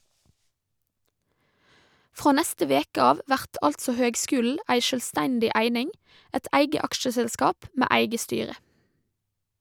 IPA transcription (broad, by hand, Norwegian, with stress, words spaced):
ˈfʁoː ˈnɛstə ˈʋeːkə ˈɑːʋ ˈʋæʁt ˈɑltsɔ ˈhøːɡˌskʉːl̩ə ˈæɪ ˈʃøːlˌstɛndɪ ˈʔæɪnɪŋ ˈæɪt ˈæɪɡə ˈɑkʃəsɛlˌskɑːp ˈmeː ˈæɪɡə ˈstyːɾə